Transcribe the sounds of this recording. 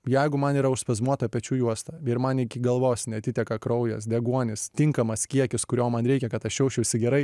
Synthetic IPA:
jɛɪɡʊmɐniːɾɐʊʃspɐzmuɔt̪ɐpʲɛt͡ʃʲuːjuɔst̪ɐɛɪɾmɐnɪkʲɪɡɐlˠʋoːsnʲɛɐt̪ʲɪt̪ʲɛkɐkɾɐʊjɛsd̪ʲɛɡuɔnʲɪst̪ʲɪŋkɐmɐskʲiɛkʲɪskʊɾʲoːmɐnɾʲɛɪkʲɛkɐt̪ɐʃʃʲɛʊʃʲt͡ʃʲɛʊsʲɪɡʲɛɾɐɪ

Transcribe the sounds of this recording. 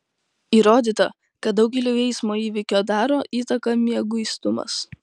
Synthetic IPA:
iːɾoːd̪ʲiːt̪ɐ | kɐt̪̚d̪ɒʊkɡʲɛlʲoːʋʲɛɪsmoːiːʋʲɪkʲoːd̪ɑːɾoːʔiːt̪ɐkɐmʲiɛɡʊist̪ʊmɐ̰s

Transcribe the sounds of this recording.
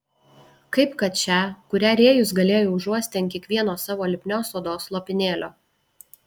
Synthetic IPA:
kɐɪpkɐt̪t͡ʃʲæˑkʊɾʲæːɾʲeːjʊs̬ɡɐlʲeːjoʊʒuɔsʲt̪ʲɪɐnkʲiɛkʋʲiɛnoːsɑːʋoːlʲɪpʲnʲoːsoːd̪oːslˠopʲɪnʲeːlʲo̰ː

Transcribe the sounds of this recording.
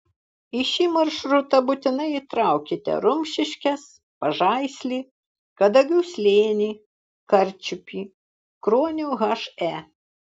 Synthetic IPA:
ɪʃʲiːmɐɾʃɾʊt̪ɐbʊt̪ʲɪnɐɪit̪ɾɑˑʊkʲɪt̪ʲɛ̰ɾʊmʲʃʲɪʃʲkʲɛs | pɐʒɑɪsʲlʲiː | kɐd̪ɐɡʲɛʊsʲlʲeːnʲiː | kɐɾʲt͡ʃʲʊpʲiː | kɾoːnʲuɣɐʃæ

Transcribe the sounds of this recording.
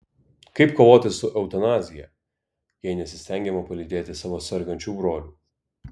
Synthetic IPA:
kɐɪpkoːʋoːt̪ʲɪsʊʔɛʊt̪ɐnɑːzʲɪjɛ̰ | jɛɪnʲɛsʲɪsʲt̪ʲɛŋʲɡʲɛmɐpɐlʲid̪ʲeːt̪ʲɪsɑʋɐsʲɛɾɡɐnʲt͡ʃʲuːbɾoːlʲuː

